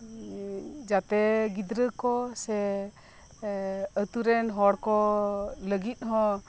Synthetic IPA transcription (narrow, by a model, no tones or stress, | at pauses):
d͡ʒat̪ɛɡid̪ɾəkɔsɛ | ət̪uɾɛnɦɔɽkɔləɡit̪̚ˀɦɔ̃